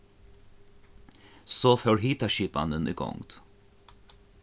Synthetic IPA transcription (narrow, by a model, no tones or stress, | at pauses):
soːføːɽhiːt̪ɑʃiːpɑ̰nd̪ənʔḭːɡɔ̰ŋt̪